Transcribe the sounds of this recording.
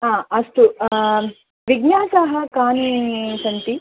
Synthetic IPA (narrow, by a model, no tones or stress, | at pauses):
ɦãːɐsʈ̪u | ʋiɡnaːsaɦɐkaːnisɐnt̪i